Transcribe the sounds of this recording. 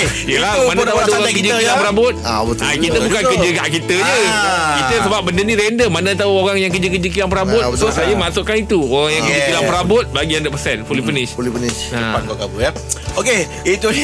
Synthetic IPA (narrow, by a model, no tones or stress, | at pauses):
jəlamanat̪auadaoɾaŋkəd͡ʒəkillaŋpəɾabʊt̪̚abət̪akkit̪əbukankəd͡ʒəkaʔkit̪əɲəkik̪əsəbap̚bəndənĩɾɛndəmanat̪auoɾaŋjaŋkəd͡ʒəkəd͡ʒək̬ilaŋpəɾabʊtsosajamasʊʔkanit̪uoɾaŋjaŋkəd͡ʒəkilaŋpəɾabʊt̪̚baɡiandapəsɛnfulifənɪʃulifəniaakakabʊa | oke | it̪o